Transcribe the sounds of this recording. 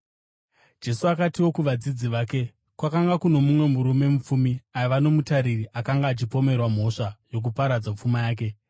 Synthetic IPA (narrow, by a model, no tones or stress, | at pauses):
d͡ʒe̞suakatiwo̞kuʋad͡zid͡ziʋaːke̞ | kwakaŋɡakuno̞mumwe̞muɾume̞mup͡fumiajʋano̞mutaɾiriʔakaŋɡaːt͡ʃipo̞me̞rwam̤o̞ʂajo̞k̬upaɾad͡zap͡fumajaːk̬e̞